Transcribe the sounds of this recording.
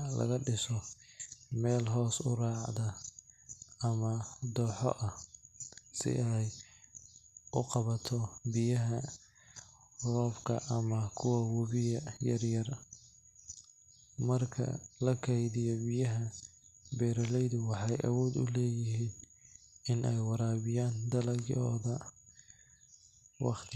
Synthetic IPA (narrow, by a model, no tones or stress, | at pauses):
lɐ̰ɣɐɖɪsɔ | mɛːlɦɔːsʊrɑːʕd̪ɐ | ɐmɐd̪ɔːħɔ̰ʔɐh | sɪ̰ʔɛj | ʊqɑβɐt̪ʰɔbɪjɐɦɐ | rɔːfkʰɐ̰ʔɐmɐkʰʊwɐwɔβɪjɐjɐrjɐr | mɐrkʰɐ̰lɐkʰɛjðɪjɔbɪjɐɦɐ | bɛːɾɐlɛjðʊwɑħɑjʔɐ̰wɔːd̪ʊ̰lɛːjɪɦiːn | ɪnʔɛjwɑɾaːβɪjaːnd̪ɐlɐɡjɔːðɐ | wɑ̰qt̪ʰɪ